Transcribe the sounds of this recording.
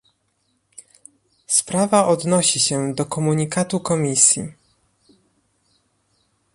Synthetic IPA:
spɾavaʔɔd̪nɔɕiɕɛd̪ɔkɔmuɲikat̪ukɔmʲisʲjḭ

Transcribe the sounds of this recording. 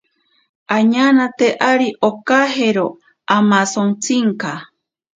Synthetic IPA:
ʔaɲanãt̪eʔaɾiʔokaɦeɾo | amasoŋt͡siŋka

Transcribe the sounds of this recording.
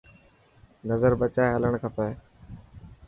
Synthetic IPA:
nəzəɾbət͡ʃaːeɦələɳ̃kʰəpeː

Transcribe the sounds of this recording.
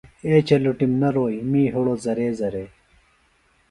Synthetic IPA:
eːt͡ɕɐluʈimnɐɾoːjmĩːɦuɽozɐɾeːzɐɾeː

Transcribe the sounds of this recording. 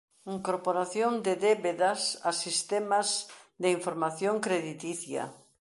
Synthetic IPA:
iŋkoɾpoɾaθjond̪eðeβeðasasist̪emazd̪eiɱfoɾmaθjoŋkɾeðit̪iθja̰

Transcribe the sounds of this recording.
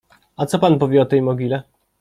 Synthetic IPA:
at̪sɔpanpuvʲjɛɔt̪ɛjmɔɡʲilɛ

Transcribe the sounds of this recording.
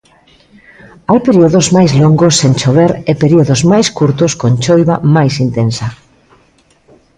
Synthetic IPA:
ajpeɾioðozmajzloŋɡosːent͡ʃoβeɾepeɾioðozmajskuɾt̪oskõnt͡ʃojβamajsint̪ẽnsa

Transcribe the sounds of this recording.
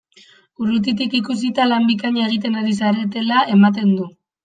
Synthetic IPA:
urut̪̬it̪ikikus̬it̪alambikaɲae̞ɣ̞it̪̬e̞naɾis̬aɾe̞t̪e̞laʔe̞mat̪̬e̞nd̪u

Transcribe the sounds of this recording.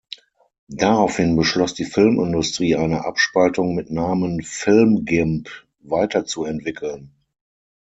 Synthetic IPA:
d̥aʁaʊfhɪnbəʃlɔsd̥iːfɪlmɪndʊstʁ̥iːʔaɪnəʔa̰pʃpaltʊŋmɪtnaːmənfɪlmɡɪmp | vaɪtɐt͡suɛntv̥ɪkʰl̩n

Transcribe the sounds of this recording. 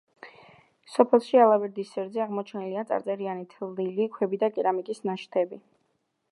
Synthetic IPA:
sɔpʰɛlˠʃialˠavɛɾd̪isːɛɾd̪zɛaʁmɔt͡ʃʰɛniliat̪sʼa̰ɾt̪sʼɛɾianit̪ʰɛlˠd̪ilikʰwɛbid̪akʼɛɾamikʼisnaʃt̪ʰɛbi

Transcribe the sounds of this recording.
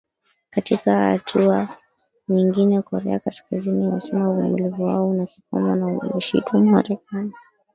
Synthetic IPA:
katikaha̰tʰua | ɲiŋɡinɛkɔɾɛakaskazininasɛmauvumulivuwa̰ɔunaki̥kɔ̰manamuʃḭtɔmmaɾɛkani

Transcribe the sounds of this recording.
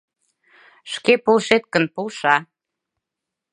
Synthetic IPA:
ʃkepolʃet̪̚kənpulʃɑ

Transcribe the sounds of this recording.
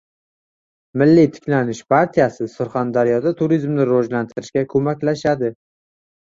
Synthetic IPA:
mɪlːit̪ʰɪ̥kʲlanɪʃpʰaɾt̪ʰijasɪsʊɾχand̪aɾjɒd̪at̪ʰʊɾizmnɪɾɒd͡ʒlant̪ʰɪɾɪʃkʲakʰɵmakʲlaʃad̪ɪ

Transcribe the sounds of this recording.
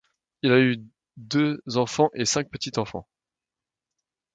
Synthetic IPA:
ilay | d̪øzɑ̃fɑ̃ʔesɛ̃k̚pət̪it̪ɑ̃fɑ̰̃

